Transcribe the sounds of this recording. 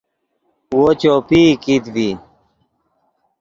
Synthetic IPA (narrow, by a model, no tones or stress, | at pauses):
wot͡ɕoːpikit̪bi